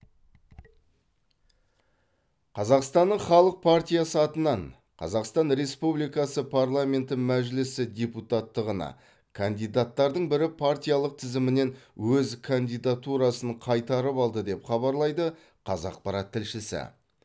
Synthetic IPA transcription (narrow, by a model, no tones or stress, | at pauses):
qʰɑzɑqst̪ɑnːəɴχɑlˠəq̚pʰart̪ʲijasəɑt̪ənɑɴ | qʰɑ̰zɑqst̪ɑnɾe̞spublijkɑsəpʰarlˠamʲe̞nt̪ɪmæʒlɪsɪdʲe̞put̪at̪ːəʁənɑ̰ | kʰand̪ijd̪at̪ːɑɾd̪əɴbɪɾɪpʰaɾt̪ʲijalˠəq̚t̪ʰɪzɪmɪne̞nwɵzkʰand̪ijd̪at̪uɾɑsəɴqʰɑjt̪ɑɾəpɑlˠd̪əd̪e̞pχɑbɑɾlˠɑjd̪ə | qʰɑzɑ̰q̚pɑɾɑt̪ʰːɪlʃɪsɪ̰